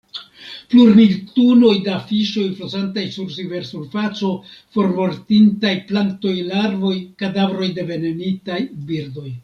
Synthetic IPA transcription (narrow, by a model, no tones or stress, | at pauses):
pluɾmiltuno̞jdeafiʃo̞jflozantajsuɾsive̞ɾsuɾfat͡so̞fo̞ɾmo̞ɾtintajplanto̞jlaɾvo̞jkadavɾo̞jde̞ve̞nenitajbiɾdo̞j